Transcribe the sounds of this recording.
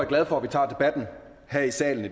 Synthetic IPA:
æɐɡlɛð̞ˠfɒ̽æʋit͡sʰɑ̈ːd̥e̝b̥æd̥n̩ | hæɐ̰isɛ̰ːln̩i

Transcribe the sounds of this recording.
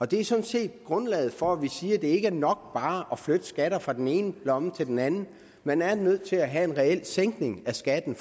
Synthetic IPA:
ɒ̽d̥e̝æɐsɒ̽nse̝̰ːd̥ɡ̥ʁɔ̽nlɛ̰ːð̩ˠfɒ̽æʋisiːɐd̥e̝e̝ɡ̥əæɐnɒ̽ɡ̥̚b̥ɑ̈ːʔɒflød̥əsɡ̥æɾ̥ɐfʁɑ̈d̥ene̝ːnəb̥lɒ̽mət͡sʰe̝ld̥enænn̩ | menæɐnøð̞̰ˠt͡sʰe̝læɦæe̝nʁɛel̰seŋ̰ɡ̥ne̝ŋæsɡ̥æd̥n̩

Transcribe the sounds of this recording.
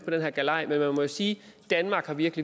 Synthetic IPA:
pʰɒ̽d̥enɦɛɐ̰ɡ̥ælɑ̈ɪ̰menmænmɒ̽jo̝siːd̥ænmɑ̈ːɡ̥hɑ̈ʋiɐɡ̥əli

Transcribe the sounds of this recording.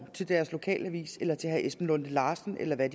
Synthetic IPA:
t͡sʰe̝ld̥æɐslo̝kʰɛ̰ːlʔəʋḭːselɐt͡sʰe̝ɦæʔesb̥n̩lɔ̽n̰ð̩ˠlɑ̈ːsn̩ʔelɐʋæd̥

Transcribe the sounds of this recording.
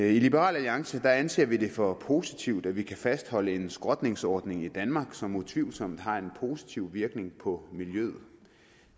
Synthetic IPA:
ilib̥əʁɑ̰ːlæliɑ̈ŋsəd̥ɑ̈ænse̝̰ːɐʋide̝fɒ̽pʰo̝ːsit͡sʰiʊd̥æʋikʰæfæsd̥hɒ̽ləe̝nsɡ̥ʁɒ̽d̥ne̝ŋsɒːd̥ne̝ŋid̥ænmɑ̈ːɡ̥sɒ̽mut͡sʰʋiʊ̰lsɒ̽m̰d̥ɦɑ̈e̝npʰo̝si̥t͡sʰiʊ̰ʋiɐɡ̥ne̝ŋpʰɒ̽miljøð̩ˠ

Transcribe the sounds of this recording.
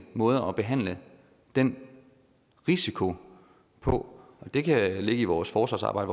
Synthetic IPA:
mɔ̽ːð̞ˠɐɒ̽b̥e̝ɦæn̰lə | d̥en̰ | ʁisikʰo̝ | pʰɒ̽ɒ̽d̥e̝kʰæle̝ɡ̥əiʋɒːsfɒːsʋɑ̈sɑ̈ːbɑ̈ɪə

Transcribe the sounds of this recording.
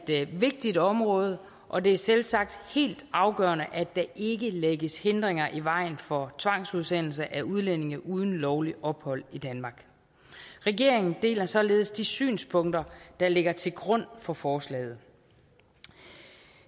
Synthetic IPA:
d̥ʋe̝ɡ̥̚d̥id̥ɒ̽mʁɔ̽ːð̞ˠə | ʔɒ̽d̥e̝æɐselsɑ̈ɡ̥̚d̥he̝̰ːld̥ɑ̈ʊɡ̥ɶːɐnəʔæd̥æ̈ʔe̝ɡ̥əleɡ̥əshe̝nd̥ʁeŋɐʔiʋɑ̈ɪ̰nfɒ̽t͡sʰʋɑ̈ŋ̰suðˠsen̰l̩s̬əʔæuð̞ˠlen̰e̝ŋɐʔuð̞ˠn̩lɒʊliʔɒ̽b̥hɒ̽l̰id̥ænmɑ̈ːɡ̥ | ʁɛɡ̥e̝ɐ̰eŋn̩d̥e̝̰ːlɐsɒ̽le̝ːð̞̩ˠsd̥isy̰ːnspʰɔ̽ŋ̰d̥ɐd̥ɑ̈le̝ɡ̥ɐt͡sʰe̝lɡ̥ʁɔ̽n̰fɒ̽fɒːslɛ̰ːð̞̩ˠ

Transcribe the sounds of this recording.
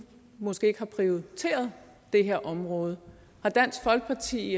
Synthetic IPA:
mɒ̽sɡ̥e̝̰ːeɡ̥hɑ̈pʰʁioit͡sʰe̝̰ːɐð̞ˠ | d̥e̝ɦeɐʔɒ̽mʁɔ̽ːð̞ˠə | hɑ̈d̥æn̰sɡ̥fɒ̽lɡ̥ə̥pʰɑ̈t͡sʰḭː

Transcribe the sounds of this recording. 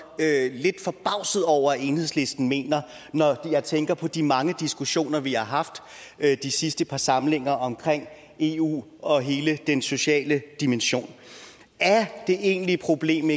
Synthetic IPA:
øle̝d̥fɒ̽b̥ɑ̈ʊ̰sð̞̩ˠɒʊ̰ɐe̝ːnhe̝ðˠsle̝sd̥n̩me̝̰ːnɐ | nɒjɑ̈ɪt͡sʰeŋɡ̥ɐpʰɒ̽d̥imɑ̈ŋəd̥isɡ̥uɕo̝̰ːnɐʋiɑ̈ɦɑ̈fd̥ | d̥isisd̥əpʰɑ̈sɑ̈ml̩e̝ŋ̰ɐʔɒ̽mkʰʁeŋ̰ | e̝ṵːɒ̽ɦe̝ːləd̥enso̝ɕɛ̰ːləd̥imenɕo̝̰ːn | æɐd̥e̝ʔe̝̰ːnlipʰʁo̝b̥le̝̰ːme

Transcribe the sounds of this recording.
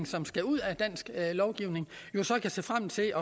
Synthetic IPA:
ŋsɒ̽msɡ̥æuð̰ˠæd̥æn̰sɡ̥lɒʊɡ̥iʊ̰ne̝ŋjo̝sɒ̽kʰæjsḛːfʁam̰t͡sʰe̝ʔɒ̽

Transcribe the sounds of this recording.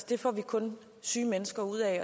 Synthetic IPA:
d̥e̝fɒ̰ʋikʰɔ̽n | syːmenəsɡ̥ɐuð̰ˠɛɒ̽

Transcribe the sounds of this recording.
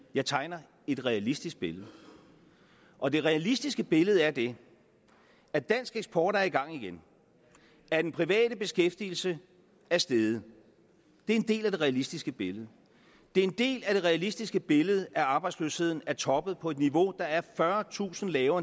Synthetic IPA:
jɑ̈ɪt͡sʰɑ̈ɪnɐ | e̝d̥ʁɛælisd̥isɡ̥̚b̥e̝ləð̩ˠ | ʔɒ̽d̥e̝ʁɛælisd̥isɡ̥əb̥e̝ləð̞̩ˠæɐd̥e̝ | æd̥æn̰sɡ̥eɡsb̥ʰɒːɾ̥ɐæɐiɡ̥ɑ̈ŋ̰iɡ̥en | æɐd̥enpʰʁiʋɛ̰ːɾ̥əb̥e̝sɡ̥efd̥il̩sə | æɐsd̥eːð̞ˠə | d̥e̝æɐe̝nde̝̰ːlæd̥e̝ʁɛːælisd̥isɡ̥əb̥e̝ləð̞̩ˠ | d̥e̝æɐe̝nd̥e̝̰ːlæd̥e̝ʁɛælisd̥isɡ̥əb̥e̝ləð̞̩ˠʔæɑ̈ːb̥ɑ̈ɪdslø̰ːshe̝ð̞̰ˠn̩æɐt͡sʰɒ̽b̥əð̞̩ˠpʰɒ̽e̝d̥niʋo̝d̥ɑ̈æɐfɶɐt͡sʰṵːsn̩lɛːʊɐ

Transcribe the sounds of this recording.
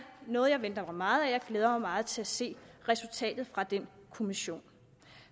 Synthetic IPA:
nɔ̽ːð̩ˠjɑ̈ɪʋend̥ɐmɑ̈ɪmɑ̈ːð̞̩ˠæjɑ̈ɪɡ̥leːð̞ˠɐmɑ̈ɪmɑ̈ːð̩ˠt͡sʰe̝æse̝̰ːʁɛsult͡sʰɛ̰ːd̥ð̩ˠfʁɑ̈d̥enkʰo̝miɕo̝̰ːn

